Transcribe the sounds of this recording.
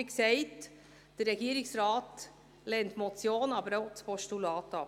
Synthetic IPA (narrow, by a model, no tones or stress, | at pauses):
iksɛɪt | d̥ərɛɡiːɾɪksɾɑːt | lɛːntmɔt͡sjoːnɑbəɾoʊt͡spʰɔʃtulɑːtɑ